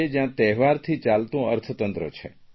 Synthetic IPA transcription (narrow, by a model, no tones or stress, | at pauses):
ed͡ʒjãt̪ɛɦʋaɾt̪ʰit͡ʃalt̪ũəɾt̪ʰət̪ənt̪ɾə̰t͡ʃʰe